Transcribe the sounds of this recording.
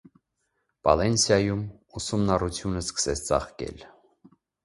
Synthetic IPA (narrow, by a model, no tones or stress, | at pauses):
pɑ̰lɛnsjɑjum | usumnɑrut͡sʰjunəskə̥sɛt͡sʰt͡sɑ̰χkɛ̰l